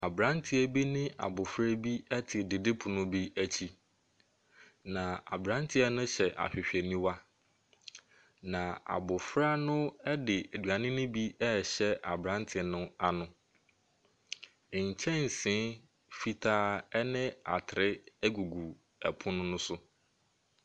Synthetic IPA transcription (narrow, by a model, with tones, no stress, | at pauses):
a˨bɾã˦ntʰɪ˦æ˨bi˦nɪ̃˦ʔa̰˨bʊ˨fɾɛ˦bi˦ɛ˦tʰɪ˨dɪ˨dɪ˦pʰʊ˨nʊ̃˦bi˦æ˦t͡ɕʰi˦ | nã˨a̰˨bɾã˦ntʰɪ˦ɛ˦nʊ̃˦ɕɛ˨ʔa̰˨ɕᶣɪ˨ɕᶣɛ˨nĩ˦wa˦ | nã˨a̰˨bʊ˨fɾa˦nʊ̃˦ɛ˦dɪ˨æ˨dɥa˨nɪ̃˦nʊ̃˦bi˦ɛ˦˨ɕɛ˦ʔa˨bɾã˦ntʰɪ˨nʊ̃˦a˨nʊ̃˦˨ | ɲ̩˨t͡ɕʰɛ̃˦n̩˨sɪ̃˦ | fi˨tʰaː˦ɛ˦nɪ̃˦a̰˨tʰɪ˨ɾɪ˦æ˦ɡu˨ɡu˨ | ɛ˨pʰʊ̃˦nʊ̃˦nʊ̃˦sʊ˦